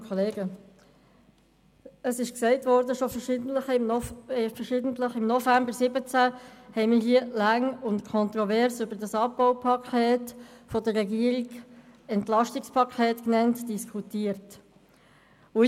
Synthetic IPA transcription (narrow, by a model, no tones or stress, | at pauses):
kʰɔleːɡə | əsɪʃksɛɪtvɔɾdəʃofəʃə | fəʃɪdən̩tləχɪmnɔfæmbəɾsɪbət͡sæhɛɪmɪːɦiəlæŋʊntkʰɔntʁɔvɛɾsʏbəɾdɑsɑpːaʊpʰɑkʰeːtfɔdərːɛɡiəɾiɡɛntlɑʃtɪkspʰɑkʰɛːtknɛntd̥iskʰutiːəɾt | ʊ